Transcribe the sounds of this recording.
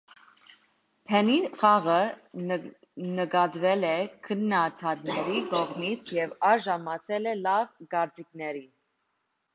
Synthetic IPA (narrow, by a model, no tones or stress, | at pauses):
pʰɛniχɑʁə | nəɡɑd̪vɛlɛkʰənːɑt̪ʰɑt̪̚nɛɾiɡɔʁmit͡sʰjɛvɑɾʒɑmɑt͡sʰɛlɛlɑvɡɑɾt͡sikʰnɛɾi